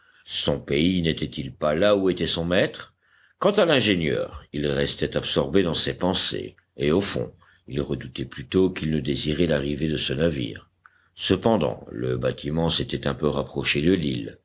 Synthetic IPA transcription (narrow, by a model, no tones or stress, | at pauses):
sɔ̃peinet̪ɛt̪ilpalauet̪ɛsɔ̃mɛt̪χ | kɑ̃t̪alɛ̃ʒenjœ̰ːʁilʁɛst̪ɛt̪absɔʁbed̪ɑ̃sɛpɑ̃sḛ | eofɔ̰̃ | ilʁəd̪ut̪ɛplyt̪okilnəd̪eziʁɛlaʁived̪əsənavḭːʁ | səpɑ̃d̪ɑ̰̃lə̰bat̪ʰimɑ̃set̪ɛt̪ɛ̃pøʁapχɔʃed̪əlil